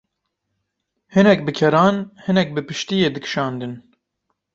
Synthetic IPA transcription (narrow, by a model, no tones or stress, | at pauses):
hɨnɛk̚bɨkʰɛɾɑːnhɨnɛk̚bɨpɨʃt̪ijeːd̪ɨkʃɑːnd̪ɨn